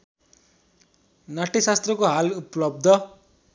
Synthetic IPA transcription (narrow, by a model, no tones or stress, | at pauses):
naʈisast̪rʌkoɦalupʌlʌb̚d̪ʱʌ